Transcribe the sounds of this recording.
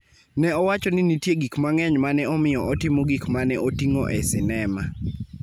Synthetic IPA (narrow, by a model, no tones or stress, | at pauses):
nɛɔwat͡ʃɔnɪnitjeɡikmaŋɛɲmanɛɔmɪjɔʔɔtɪmɔɡikmanɛʔotiŋoʔɛsɪnɛma